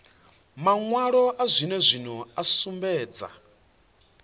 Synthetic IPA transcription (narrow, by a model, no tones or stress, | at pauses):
maŋwaɺɔʔazʷinɛzʷinɔasumbɛːd͡za̰